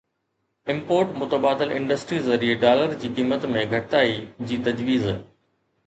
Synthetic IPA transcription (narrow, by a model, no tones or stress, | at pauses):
ɪ̃mpoːɾʈmʊt̪əbaːd̪ɪlɪ̰̃ɳɖəsʈɾizɐɾieɖaːləɾd͡ʑiːkiːmət̪mẽɡʱɐʈt̪aːid͡ʑiːt̪ɐd͡ʑʋiːz